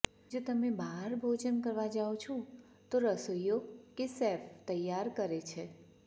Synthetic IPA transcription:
d͡ʒot̪əmebʱaɾbʱod͡ʒənkəɾʋad͡ʒaot͡ʃʰõ | t̪oɾəsojokesɛɾft̪əjːaɾkəɾet͡ʃʰe

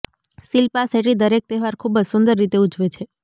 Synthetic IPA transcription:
silpaseʈid̪əɾek̚t̪eɦʋaɾkʰubəd͡ʒsʊnd̪əɾːit̪eud͡ʒʋet͡ʃʰe

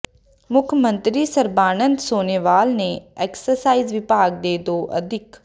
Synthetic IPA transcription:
mʊkʰmə̃nt̪ɾiːsəɾbaːnənd̪soːneːʋaːlneːɛːksəɾsaːiːzʋɪpaːɡ̚d̪eːd̪oːʔə̰d̪ʱɪk

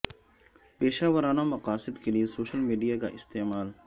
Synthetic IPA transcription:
peːʃaːʋəɾaːnamɐqaːsɪd̪keliesoːʃəlmiːɖijaka̰ʔɪst̪eːmaːl

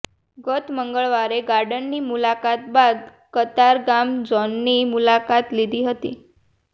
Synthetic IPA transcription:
ɡət̪məŋɡəɭʋaɾeɡaɾɖənːimulakat̪̚bad̪ | kət̪aɾɡamd͡zɔnːimulakat̪lid̪ʱiːɦət̪ḭː

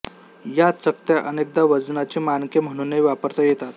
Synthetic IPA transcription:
jatt͡sək̚t̪jaʔənek̚d̪aʋəd͡znat͡ɕemankem̤əɽ̃uneʋapəɾt̪ajet̪at̪

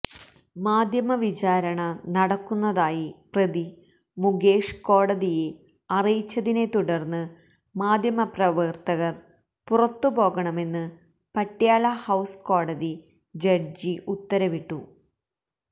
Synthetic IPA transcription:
maːd̪ʱjɐmɐʋit͡ɕaːɾɐɳɐnɐɽɐkːunːɐðaːjiprɐði | muɡe̞ːʂko̞ːɽɐðije̞ | ɐrijit͡ɕːɐðine̞t̪uɽɐrnːɨ | maːd̪ʱjɐmɐprɐʋɨrt̪ɐɣɐr | purɐt̪ːupo̞ːɣɐɳɐme̞nːɨ | pɐʈːijaːlɐhɐwsko̞ːɽɐði | d͡ʑɐrd͡ʑiʔut̪ːɐɾɐʋiʈːu

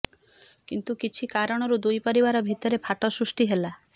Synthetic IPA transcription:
kint̪ukit͡ʃʰikaɾɔɽ̃ɔɾud̪ujpɔɾibaɾɔbʱit̪ɔɾepʰaʈɔsɾusʈiɦela

